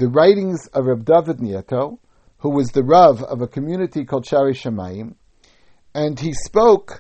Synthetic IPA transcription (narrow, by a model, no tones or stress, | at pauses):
ðɨɹaɪɾɪ̃ŋzʌvɹɛb̚dʌvɨdⁿniɛɾoʊ | huwʌzðɨɹʌvʌ̰vəkʰɨmjʉnɨɾikʰɔlˠd̥ʃæɹiʃɨma̰ɪɨ̃m | ɨ̃nispoʊk